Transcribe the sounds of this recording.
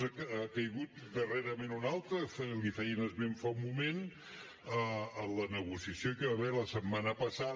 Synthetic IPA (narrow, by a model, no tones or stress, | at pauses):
əkəjɣut̪d̪əreɾəmenunalˠt̪ɾəflifɛjənəzβeɱfamumen | əələnəɣusiəsjokəβaβɛɾləsəbmːanəpəsa